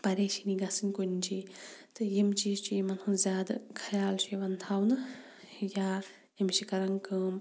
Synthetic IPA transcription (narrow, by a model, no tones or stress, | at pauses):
pɐɾeːʃiniɡɐsɨnʲkonʲt͡ʃit̪ɨjemt͡ʃiːzt͡ʃiemɐnhunzʲaːd̪ɐkʰɐjaːlʃʰiʋɐnt̪ʰawnɨjaː | emʃikɐɾɐŋkəːm